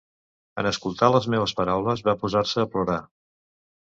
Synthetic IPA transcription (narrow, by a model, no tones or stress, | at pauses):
ə̰nəskulˠt̪aləzmeβ̞əspəɾawləzβapuzarsəːpluɾa